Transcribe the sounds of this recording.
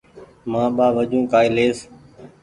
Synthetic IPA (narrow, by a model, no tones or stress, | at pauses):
mãːɓaːʋəd͡ʒũːkaːiːleːs